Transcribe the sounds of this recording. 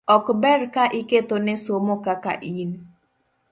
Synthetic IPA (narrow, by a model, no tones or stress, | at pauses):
ɔkbɛɾkaʔɪket̪onesomokaka̰ʔin